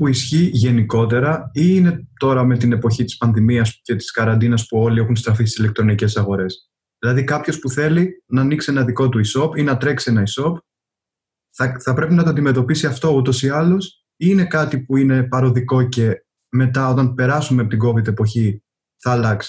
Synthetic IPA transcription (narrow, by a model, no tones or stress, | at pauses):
puisçiʝe̞niko̞t̪e̞ɾɐine̞t̪o̞ɾɐme̞t̪ine̞po̞çit̪i̥spɐnðimiɐsce̞t̪i̥skɐɾɐnd̪inɐspuo̞liexunst̪ɾɐfist̪isilek̚t̪ɾo̞nice̞sɐɣo̞ɾe̞s | ðilɐðikɐpço̞spuθe̞linɐːniksienɐðiko̞t̪uiso̞pinɐt̪ɾe̞ksie̞nɐiso̞p | θɐθɐpɾe̞pinɐt̪oɐnd̪ime̞t̪o̞pisiɐft̪o̞ut̪o̞siɐlo̞s | ine̞kɐt̪ipuine̞pɐɾo̞ðiko̞ce̞ | me̞t̪ɐo̞t̪ɐnpe̞ɾɐsumepot̪iɡo̞vid̪e̞po̞çi | θɐːlɐksi̥